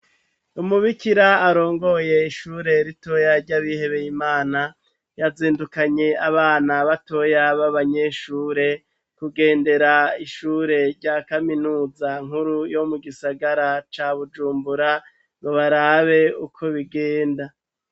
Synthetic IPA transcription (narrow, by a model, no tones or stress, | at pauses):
umuβikiɾaːɾo̞ːŋɡo̞je̞iʃuːɾe̞ɾito̞jaɾɟaβihe̞βe̞jimaːna | jaziːndukaɲe̞aβaːnaβato̞jaβaβaɲe̞ʃuːɾe̞ | kuɡe̞ːnde̞ɾaiʃuɾe̞ɾɟakaminuːzaŋ̥huɾujo̞muɡisaɡaɾat͡ʃaβud͡ʒuːmbuɾa | ŋɡo̞βaɾaːβe̞ukʰo̞βiɡeːnda